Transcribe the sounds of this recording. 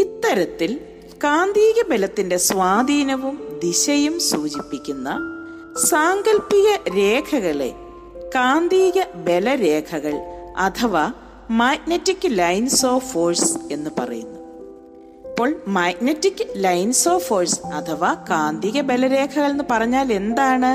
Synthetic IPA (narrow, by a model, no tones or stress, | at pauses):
it̪ːɐɾɐt̪ːil | kaːnd̪iːɣɐbe̞lɐt̪ːinde̞sʋaːd̪iːnɐʋumd̪iɕɐjumsuːt͡ɕipːikʲːunːɐ̰ | saːŋɡɐlpːiɣɐɾe̞ːkʰɐɣɐɭḛ | kaːnd̪iːɣɐbe̞lɐɾeːkʰɐɣɐɭɐt̪ʰɐʋa | maːknɐtːikːɨlɐjnso̞ːfoːrse̞nːɨpɐ̰rɐ̰jṵnːɐ | pːo̞ːɭmaːknɐtːikːɨlɐjnso̞ːfoːrsɐt̪ʰɐʋaːkaːnd̪iːɣɐbe̞lɐɾe̞ːkʰɐɣɐɭenːɨpɐrɐɲːaːle̞nd̪aːɳɨ